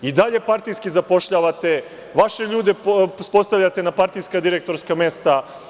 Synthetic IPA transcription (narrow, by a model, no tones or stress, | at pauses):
id̪aʎe̞paɾt̪ijskizapo̞ʃʎaːʋat̪e̞ | ʋaʃeʎuːd̪e̞spo̞st̪aʋʎat̪e̞napaɾt̪ijskad̪iɾek̚t̪o̞ɾskame̞st̪a